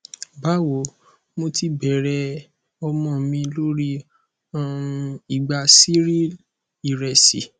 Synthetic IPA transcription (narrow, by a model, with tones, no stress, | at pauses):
ba˦wo˨˦ | mo˧ti˧bɛ˨˦ɾɛ˧ | ɔ˧mɔ̃˦˨mĩ˧lo˦ɾi˦˨ | i˨ɡ͡ba˧si˦ɾi˦l | i˨ɾɛ˧sḭ˨